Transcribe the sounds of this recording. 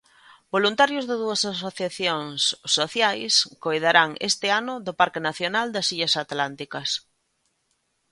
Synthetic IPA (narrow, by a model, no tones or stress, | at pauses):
bolunt̪aɾjʊzðɪðuɐsasoθjaθjoŋssːoθjajskojðaɾaŋḛst̪ɪanʊðʊpaɾkɪnaθjonald̪ɐsiʎɐsat̪lant̪ikɐs